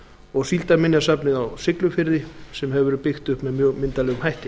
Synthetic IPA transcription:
ɔɣsilt̪amɪnːjasapnɪðawsɪklʏfɪɾðɪsɛmɦɛvvɛɾʏpɪxt̪ʏhpmɛðmjœɣmɪnt̪alɛːɣʏmɦajht̪ɪ

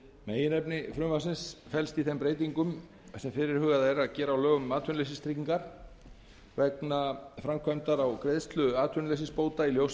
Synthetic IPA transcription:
meːjɪnɛpnɪfɾʏmvasɪnsfɛlst̪iθejmpɾeːjt̪̬iŋkʏm | sɛmfɪɾɪɾ̥hʏːɣaðɛɾaðcɛːɾaawlœːɣʏmaːt̪ʰœnlejsɪst̪ʰɾiːciŋkaɾ̥ | vɛknafɾamkʰvamt̪aɾawkɾeðst̪lʏaːt̪ʰœnlejsɪspoːwt̪ailjows

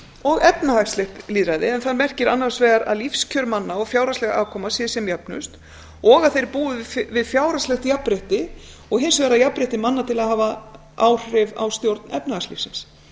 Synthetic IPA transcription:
ɔɣɛpnahakslɪht̪liːðɾajðɪɛnθaɾmɛr̥cɪɾanːar̥svɛːɣaɾa̰ðlifscʰœɾmanːaɔɣfjaːwɾaslɛɣaaːkʰɔːmasjɛsjɛmjapnʏ̰st̪ | ɔɣaðθejɾpuːðʏvɪðfjaːwɾaslɛxt̪japːɾeht̪ɪ | ɔɣɦɪnsʏvɛːɾajapːɾɪht̪ɪmanːat̪ʰɪlaðɦaːva | aːwr̥ɪva̰wst̪jowɾt̪nɛ̰pnahakslḭfsɪns

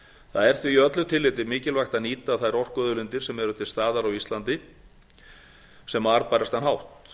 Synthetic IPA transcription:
θaðɛɾ̥θviœt̪lʏt̪ʰɪlːɪt̪ɪmɪːcɪlvajxt̪aniːt̪aθajɾɔr̥kœːðʏlɪnt̪ɪɾsɛmɛɾʏt̪ʰɪlst̪aːðaɾawist̪lant̪ɪ | sɛmaɾpaːjɾast̪anɦawht̪

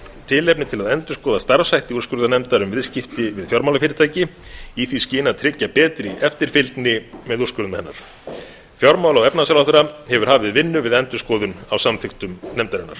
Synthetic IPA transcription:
t̪ʰɪlɛpnɪt̪ʰɪlaðɛnt̪ʏskɔːðast̪aɾvsajht̪iurskʏɾðanɛmt̪aɾʏmvɪðscɪft̪ɪvɪðfjɔɾmawlafɪːɾɪt̪ʰaːjcɪiθviscɪːnat̪ʰɾɪcːapɛːt̪ɾɪɛft̪ɪɾ̥fɪlt̪nɪmɛðurskʏɾðmahɪnːa̰ɾ̥ | fjɔɾmaːwlawɛpnasalaθʏɾahɛvʏɾ̥haːvɪðvɪnːʏvɪðɛnt̪ʏskɔːðʏnawsamθɪxt̪ʏmnɛmt̪aɾɪnːa̰ɾ̥

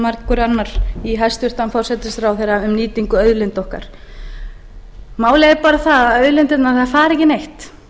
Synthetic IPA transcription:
maɾt̪kɔɾanːaɾiɦajst̪ʏr̥t̪anfɔr̥sɛt̪ɪsɾawθejɾaʏmniːt̪iŋkʏœɥðlɪnt̪ohka̰ɾ̥ | maːwlejɪɾpaːɾaθaðaðœɥðlɪnt̪ɪt̪naθðafaːɾɛhcɪnejht̪

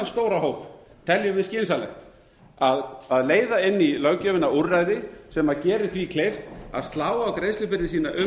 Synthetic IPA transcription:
nst̪oːwɾaɦoːwp | t̪ʰɛljʏvɪðscɪnsalɛ̰xt̪ | aðaðleːjðaɪnːilœɣcœvɪnaurajðɪsɛmaðcɛːɾɪθikʰlejft̪a̰ðst̪laːwawkɾejslʏpɪɾðɪsiːnaʔʏ

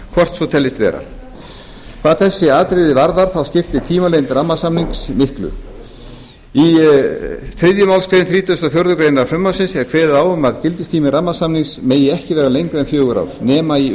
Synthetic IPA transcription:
kʰvɔr̥t̪svɔt̪ʰɛlːɪst̪vɛ̰ːɾa̰ | kʰv̥aːðθɛsːɪaːt̪ɾɪðɪvaɾðaɾ̥θawscɪft̪ɪt̪ʰiːmalejnt̪ramːasamniŋksmɪhklʏ̰ | i | θɾɪðjʏmaːwlskɾejðnθɾiːt̪ʏst̪afjowɾðʏkɾejnaɾaɾfɾœmːawsɪnsɛv̥kʰv̥ɛːðɪaːwʏmaðcɪlt̪ɪst̪ʰiːmɪramːasamniŋksmeːjɪɛhcɪvɛːɾalejŋkɾɛnfjœːɣʏɾa̰vnɛːmai

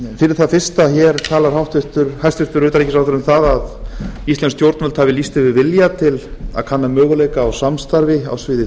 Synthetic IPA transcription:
fɪɾɪɾ̥θaðfɪr̥st̪açɛɾkʰaːlaɾ̥hawht̪vɪht̪ʏɾ̥hajst̪vɪht̪ʏɾʏːt̪aɾejcɪsawθʏɾʏmθaðaðist̪ɛnst̪jowɾt̪nœlt̪havɪlist̪ɪvɪɾvɪljat̪ʰɪla̰ðkʰanːamœːɣʏleːjkaːwsamst̪aɾvɪa̰wsvɪːðɪ

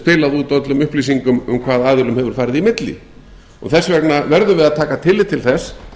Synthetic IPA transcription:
pɪːlaðut̪ɔt̪lʏmʏhpliːsiŋkʏmʏ̰mkʰv̥aːðaːðɪlʏmhɛvʏɾ̥faːɾɪðimɪt̪lɪ̰ | ɔ̰ɣθɛsːvɛknavɛɾðʏvɪðaðt̪ʰaːkat̪ʰɪlːɪt̪ʰːɪlθɛs

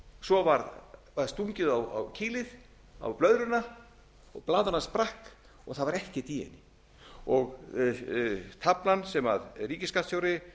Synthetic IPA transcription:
sɔvaɾvaɾst̪uɲcɪðawa̰wcʰiːlɪð | a̰wplœɥðɾʏnːa | ɔɣplaːðanaspɾahk | ɔɣθaðvaɾɛhcɪt̪iːɛ̰nɪ | ɔɣ | t̪ʰaplansɛma̰ðriːcɪskat̪sjoːwɾɪ

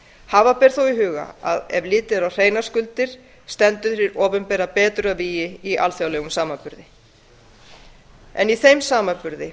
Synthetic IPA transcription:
haːvapɛːɾ̥θuwiɦʏːɣa̰aðɛvliːt̪ɪɾawr̥eːjnaskʏlt̪ɪɾ̥ | st̪ɛnt̪ʏθɾɪɾɔːpʏmpɛːɾapɛːt̪ɾʏaviːjɪiʔa̰lθjawlɛːɣʏmsaːmapʏɾðɪ | ɛ̰niθejmsaːmapʏɾðɪ

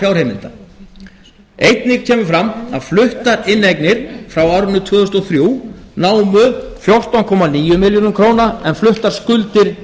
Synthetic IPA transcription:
awɾ̥hejmɪnt̪a | ejt̪nɪɣcʰɛːmʏfɾama̰ðflʏht̪aɾɪnːejknɪɾ̥fɾawawɾnːʏt̪ʰvœːðʏst̪ɔθɾjuːnaːwmʏfjɔr̥t̪awŋkʰɔmaniːjʏmɪljɔnʏkʰɾoːwnaɛnflʏht̪aɾ̥skʏlt̪ɪɾ̥

